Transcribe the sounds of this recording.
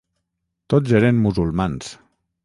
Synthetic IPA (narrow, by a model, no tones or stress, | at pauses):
t̪ozeɾemːuzulˠmans